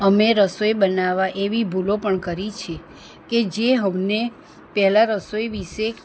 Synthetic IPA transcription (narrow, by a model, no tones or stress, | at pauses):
əmeɾəsojbənaʋaʔeʋibʱulopəɳkəɾit͡ʃʰe | ked͡ʒeɦəmne | pɛɦlaɾəsojʋiʃe